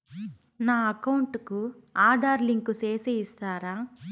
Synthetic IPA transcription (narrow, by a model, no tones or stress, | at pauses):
naːɐkɐwuɳʈkuaːd̪ʱaːɾliŋkuseːsiist̪aːɾaː